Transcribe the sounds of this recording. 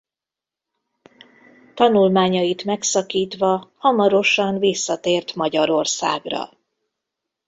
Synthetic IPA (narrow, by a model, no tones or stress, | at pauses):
t̪ɒnulmaːɲɒjit̪mɛksɒkiːt̪ʋɒhɒmɒɾo̞ʃɒnvisːɒt̪eːrt̪mɒɟɒɾo̞rsa̰ːɡrɒ̰